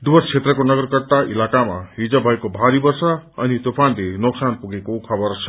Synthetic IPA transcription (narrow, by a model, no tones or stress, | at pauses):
d̪ubʌrt͡sʰet̪rʌkonʌɡʌrkʌrt̪aʔilakama̰ɦid͡zʌbʱʌekobʱaɾibʌrsaʌ̰nit̪opʰanlenoksanpuɡekokʰʌbʌrsʰʌ̥